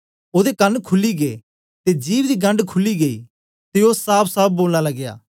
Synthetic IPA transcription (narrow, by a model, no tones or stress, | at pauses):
oːd̪ekɐnkʰʊlːiɡeː | t̪ed͡ʒiːʋd̪iɡɐ̃ɳɖkʰʊlːiɡeḭ | t̪eoːsaːpʰsaːb̚ʰboːlnalɐɡja̰ː